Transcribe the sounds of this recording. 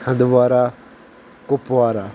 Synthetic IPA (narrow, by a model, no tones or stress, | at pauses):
hə̃nd̪ʋaːɾaː | kʊpʋaːɾaː